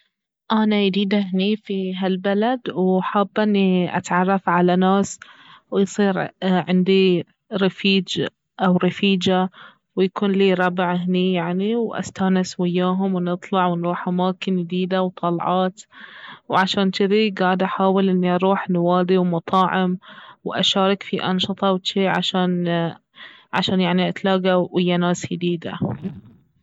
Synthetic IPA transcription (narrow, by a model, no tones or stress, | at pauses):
ʔanajd̪iːd̪aɦniːfiɦalbalad̪wħaːbːʔɪnːiʔa̰t̪ʕɑrˤːɑfʕalanaːswjsˤiːɾʕɪnd̪i | ɾɪfiːd͡ʒ | ʔawɾɑfiːd͡ʒa | wjakuːnliːɾˤɑbʕɦnijaʕniwʔa̰st̪aːnɪswɪjːaːɦʊmwnɨt̪ˤlɑʕwɪnɾuːħʔamaːkɪnjɪd̪iːd̪awt̪ˤɑlʕɑːt̪wʕaʃaːnt̪ɪðiɡaːʕd̪ʔaħaːwɪlʔɪnːiʔɑɾˤuːħnwaːd̪iwmɑt̪ˤɑːʕɪmwʔaʃaːɾɑkfiʔɑnʃɨt̪ˤɑwt̪iːʕa̰ʃaːn | ʕaʃaːnjaʕniʔat̪laːɡaʔɪjːanaːsjɪd̪iːd̪a̰